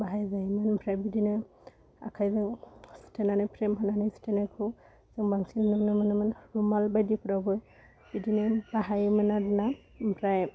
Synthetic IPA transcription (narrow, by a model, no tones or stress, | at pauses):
baɦajzamanbʰʱɾajbidinɯ | a̰kʰajzɯŋstʰenanapʰɾemɦananasi̥tenakʰu | z̥ɯŋbaŋsinnɯmnamanamanɹumalbajdipʰɾabɔ | b̥idinɛbaɦajmanadna | bʰɾaj